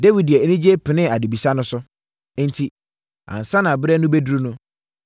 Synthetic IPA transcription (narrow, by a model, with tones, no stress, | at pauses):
de˦wi˨di˨ɛ˨˦nĩ˦d͡ʑe˦pʰɪ˨nɪ̃˦a˨du˨bi˨sa˦nʊ̃˦sʊ˦ | n̩˦tʰi˦ | ã̰˨n̩˨sã˦nã˨bɪ˦ɾɛ˦nʊ̃˦be˦du˦ɾu˦nʊ̃˦